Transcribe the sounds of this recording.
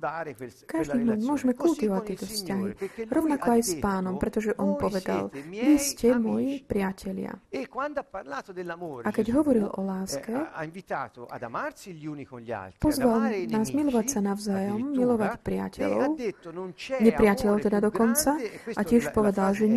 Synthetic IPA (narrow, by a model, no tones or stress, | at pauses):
kaʒd̪iːmmʊɔʒɛmɛkult̪iʋɔʋac̚t̪ːɪɛt̪ɔfscaɦiɾɔʊnakɔajspaːnɔmpɾɛt̪ɔʒɛʔɔnpɔʋɛd̪a̰lʋiscɛmɔjipɾɪacʰɛʎɪa̰kwand̪pad̪ʔakɛɟɦɔʋɔɾilɔ̰laːskɛvit̪at̪ad̪unia̰pɔzʋalnaːzmilɔʋacsanaʊzajɔmːilɔʋacpɾɪa̰cɛ̰lɔʊnɲɛpɾɪacɛlɔʊt̪ɛd̪ad̪ɔkɔnt͡saʔacɪɛʃpɔʋɛd̪alʒɛ